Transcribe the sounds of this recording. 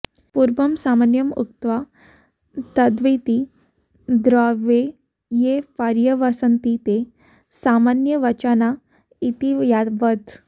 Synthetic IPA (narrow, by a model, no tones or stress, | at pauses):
puɾbəmsamanjəmṵk̚t̪ʋa | t̪əd̪ʋet̪i | d̪ɾaʋe | jepaɾjəʋasənt̪it̪e | samanjəʋət͡ɕana | it̪ijaʋət̪